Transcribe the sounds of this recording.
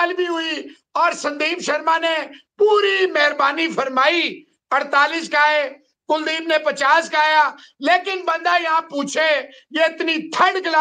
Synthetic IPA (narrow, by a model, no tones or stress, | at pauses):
lbʱiɦʊi | ɔːɾsə̃nd̪iːmʃəɾmãːnepuːɾimɛɦɾbaːnipʰəɾmaːi | əɽt̪aːlɪs̬kaːe | kʊld̪iːmnẽpət͡ʃaːskaːjaː | leːkɪnbə̃nd̪ajɦãpuːt͡ʃʰe | jeɪt̪nit̪ʰə̃ɳɖklaː